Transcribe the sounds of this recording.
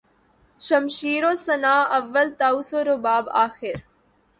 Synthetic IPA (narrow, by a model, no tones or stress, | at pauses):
ʃɐmʃiːɾoːsɐnaːɐʋːəlt̪aːusoɾobaːbaːxɪɾ